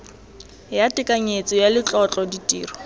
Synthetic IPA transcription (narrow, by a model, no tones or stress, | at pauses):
jatʼɪkʼaɲet͡sʼɔjalɪt͡ɬʼɔt͡ɬʼɔditʼḭːrɔ